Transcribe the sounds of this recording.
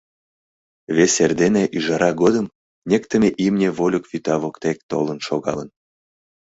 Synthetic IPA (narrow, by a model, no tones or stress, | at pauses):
βeserd̪eneʔyʒɑɾɑɡod̪əm | nʲekt̪ə̆mʲeʔimnʲevolʲokvyt̪ɑβokt̪ek̚t̪o̰lə̆nʃoɣɑ̰lən